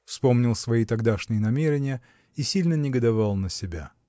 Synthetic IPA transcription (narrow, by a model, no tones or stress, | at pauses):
fspo̞mnʲɪlˠsvɐit̪ɐɡd̪aʂnʲɪjənɐmʲeɾʲɪnʲɪjə | isʲilʲnənʲɪɡəd̪ɐvɑlˠnəsʲɪbʲa̰